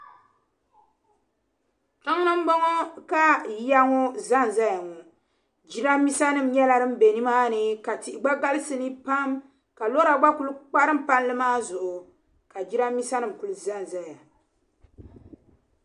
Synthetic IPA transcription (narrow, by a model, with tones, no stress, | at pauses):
ta˦ŋ˦nɨ˦m̩˦bo˦ŋɔ˦ka˦ja˦ŋɔ˦za˦n˨za˦ja˨ŋɔ˨ | d͡ʒi˦ɾa˦mi˦sa˦nɨ˦˨m̩˨ɲɛ˦la˨ɾɨ˦m̩˦be˨ni˦maː˦nɨ˨ka˨ti˨ʔɪ˨ɡ͡ba˦ɡa˦lɨ˦sɨ˨nɨ˦pa˦m | ka˨lo˦ɾa˨ɡ͡ba˦ku˨lɨ˦k͡pa˦ɾɨ˦m˦pa˦n˦lɨ˦maː˦zʊ˨ʔʊ˨ | ka˨d͡ʒi˦ɾa˦mi˦sa˦nɨ˦˨m̩˨ku˨lɨ˨za˦˨n˨za˦ja˨